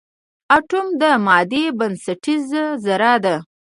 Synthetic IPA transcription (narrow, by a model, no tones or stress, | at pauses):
aʈʊmd̪əmɑd̪ebansaʈizzaɾɑd̪a